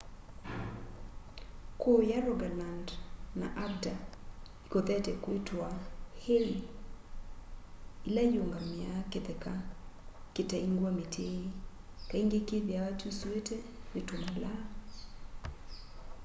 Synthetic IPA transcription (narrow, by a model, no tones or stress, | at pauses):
kojaɾɔɡalandna̰ʔab̚daikot̪ɛtɛkwetʰwahei | ilajoŋɡamɪaket̪ɛka | ketaiŋɡwametʰei | kaiŋɡekebjawatuswetewetomala